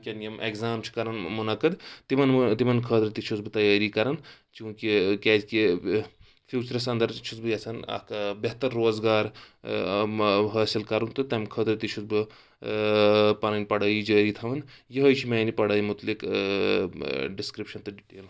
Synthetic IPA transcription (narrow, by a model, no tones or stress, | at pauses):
kʲɐnjɐmʔekzaːmt͡ʃʰi̥kɐɾɐnmunɐkɐd̪t̪imɐnt̪imɐnkʰəːt̪ɾɨt̪it͡ʃʰusbɨt̪ɐjaːɾikɐɾɐnt͡ʃũːkikʲeːd͡ʒki | pʰjuːt͡ʃɐɾɐsɐnd̪ɐɾt͡ʃʰusbɨjɐsʰɐnɐ̰kbeɦt̪ɐɾːoːzɡaːɾ | ɦɐːsilkɐɾunt̪ɨt̪ɐmkʰəːt̪ɾɨt̪it͡ʃʰusbɨ | pɐnɐnipɐɽɐːjid͡ʒəːɾit̪ʰɐʋɐnjiɦojt͡ʃʰimɐːnipɐɽaːjimut̪lik | ɖiskɾipʃɐnt̪ɨʈːl